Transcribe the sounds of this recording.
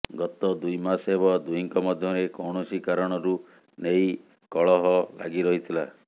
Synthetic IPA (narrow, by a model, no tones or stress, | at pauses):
ɡɔt̪ɔd̪ujmasebɔd̪uiŋkɔmɔd̪ʱjɔɾekɔwɽ̃osikaɾɔɽ̃ɔɾu | nej | kɔɭɔɦɔla̰ɡiɾɔɦit̪ʰila